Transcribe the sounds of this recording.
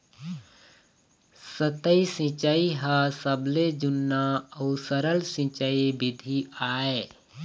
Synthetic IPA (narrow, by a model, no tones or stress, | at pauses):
sət̪əisĩt͡ʃaiɦasəbled͡ʒʊnːaəʊsəɾəlsĩt͡ʃaibɪd̪ʱiaːe